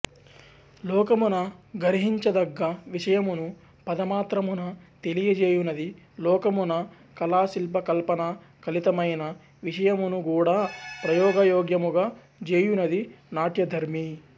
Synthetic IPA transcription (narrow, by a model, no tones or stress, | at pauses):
lɔːkɐmunɐɡɐɾiɦiɲt͡ʃɐd̪ɐɡːɐʋiʂɐjɐmunu | pɐd̪ɐmaːt̪ɾɐmunɐt̪elijɐd͡ʒeːjunɐd̪i | lɔːkɐmunɐ | kɐlaːsilpɐkɐlpɐnɐ | kɐlit̪ɐmɐjnɐ | ʋiʂɐjɐmunuɡuːɽaːpɾɐjɔːɡɐjɔːɡjɐmuɡɐː | d͡ʒeːjunɐd̪inaːʈjɐd̪ʱɐɾmi